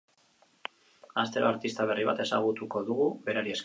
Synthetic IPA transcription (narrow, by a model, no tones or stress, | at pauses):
ast̪e̞ɾo̞aɾt̪ist̪aβ̞e̞riβ̞a̰t̪e̞saɣ̞ut̪uko̞ðuɣuβe̞ɾaɾies